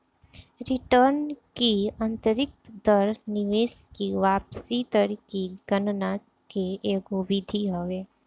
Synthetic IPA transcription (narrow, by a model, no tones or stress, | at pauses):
ɾɪʈəɾnkiə̃nt̪əɾɪk̚t̪d̪əɾnɪʋeːskiʋaːpsit̪əɾikiɡənna | keʔeːɡoʋɪd̪ʱiɦoʋeː